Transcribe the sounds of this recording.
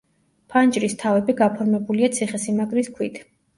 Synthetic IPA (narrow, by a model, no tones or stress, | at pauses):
pʰant͡ʃʼɾist̪ʰavɛbiɡapʰɔɾmɛbuliat̪sʰiχɛsimaɡɾiskʰwit̪ʰ